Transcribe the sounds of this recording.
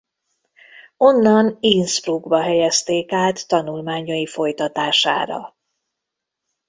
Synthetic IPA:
o̞nːɒninspruɡbɒɦɛjɛst̪eːkaːt̪ːɒnulmaːɲojifo̞jt̪ɒt̪aːʃa̰ːɾɒ̰

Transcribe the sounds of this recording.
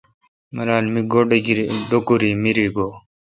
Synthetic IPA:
mɐɾaːnmiɡoɖkiɾiɖokuɾiːmiɾiːɡoː

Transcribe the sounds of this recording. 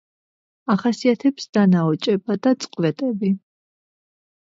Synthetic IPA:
aχasiat̪ʰɛpsd̪̥anaɔt͡ʃʼɛbad̪at̪sʼqʼvɛt̪ʼɛbi

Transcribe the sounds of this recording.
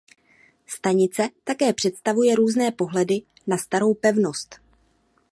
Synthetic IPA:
st̪aɲɪt͡sɛt̪akɛːpr̝̥ɛt̪st̪avujɛɾuːznɛːpo̞ɦlɛdɪ | nast̪aɾo̞wpɛvno̞st̪

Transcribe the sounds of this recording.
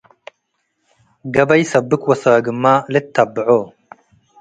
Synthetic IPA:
ɡɐbɐjsɐbɨkwɐsaːɡɨmːaːlet̪ʰːɐbʕoː

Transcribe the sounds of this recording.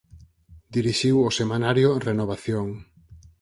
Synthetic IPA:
d̪iɾiʃiwosemanaɾjorenoβ̞aθjoŋ

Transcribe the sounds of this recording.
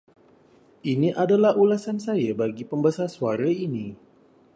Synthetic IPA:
ʔiniʔadalahulasansajabaɡipəmbasasuaɾaini

